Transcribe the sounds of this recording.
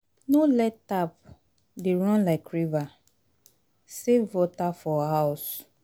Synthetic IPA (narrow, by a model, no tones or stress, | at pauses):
nolɛtap̚ | deɹɔ̃nlaɪkɹiva | sevɔtafɔɦaʊs